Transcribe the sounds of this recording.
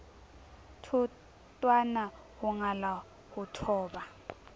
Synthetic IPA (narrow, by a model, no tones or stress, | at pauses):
tʰu | tʼwana | huŋala | hutʰɔːɓa